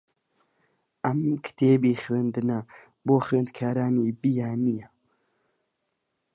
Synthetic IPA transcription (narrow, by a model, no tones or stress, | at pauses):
ɐmkʰɨ̥t̪ʰeːbiːxwend̪ɨna | boːxeːnd̪̚kʰaːɾaːniːbijaːnija